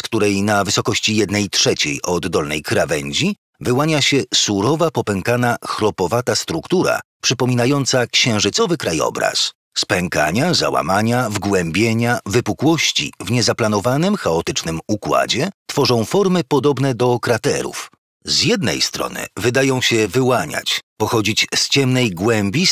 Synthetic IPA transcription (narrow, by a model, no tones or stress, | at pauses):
skt̪uɾɛjnavɘsɔkɔɕt͡ɕijɛd̪nɛjtʂɛt͡ɕḛjʔɔd̪ːɔlnɛ̰jkɾavɛɲd͡ʑi | vɘwaɲaɕɛsuɾɔvapɔpɛŋkanaxɾɔpɔvat̪ast̪ɾukt̪uɾa̰pʂɘpɔmʲinajɔnt̪sakɕɛ̃w̃ʐɘt̪sɔvɘkɾajɔ̰bɾa̰s | spɛŋka̰ɲaza̰wa̰maɲavɡwɛmbʲjeɲavɘpukwɔɕt͡ɕḭvɲɛzaplanɔvanɘmxaɔt̪ɘt͡ʂnɘmukwa̰d͡ʑɛt̪fɔʐɔ̃w̃fɔɾmɘpɔd̪ɔbn̪ɛd̪ɔkɾat̪ɛ̰ɾṵf | zjɛd̪nɛ̰jst̪ɾɔ̰nɘ̰vɘd̪ajɔ̃w̃ɕɛvɘwaɲa̰t͡ɕpɔxɔd͡ʑit͡ɕst͡ɕɛmnɛjɡwɛmʲbʲi